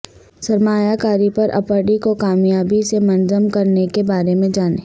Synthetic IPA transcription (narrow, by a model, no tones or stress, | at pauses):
sɐɾmaːjakaːɾipɐɾʔɐ̰pəɽikokaːmjaːbisemɐnd͡ʒəmkɐɾnekebaːɾemẽd͡ʒaːnḛː